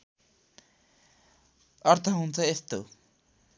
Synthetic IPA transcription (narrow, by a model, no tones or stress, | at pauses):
ʌɾt̪ʰʌɦunt͡sʰʌest̪o̰